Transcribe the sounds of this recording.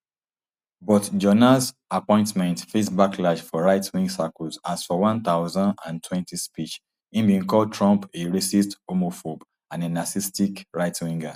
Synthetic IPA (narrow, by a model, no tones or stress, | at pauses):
bɔtd͡ʒɔnas | apɔ̃ɪ̃ntmɛ̃ntfesbakʰlad͡ʒfɔɹaɪtwĩŋɡsakɔsasfɔwɔ̃nt̪aʊzãndã̰ntʰwɛ̃ntispit͡ʃ | ĩmbiĩŋkɔld̚tʰɹɔ̃mpeɹesistomofob | ãnenasistikɹaɪtwĩŋɡa